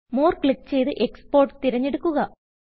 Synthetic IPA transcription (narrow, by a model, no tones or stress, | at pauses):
moːrkɭik̚ːt͡ɕe̞jt̪ɨʔe̞kspo̞ːrʈt̪iɾɐɲːeɽukːuɣɐ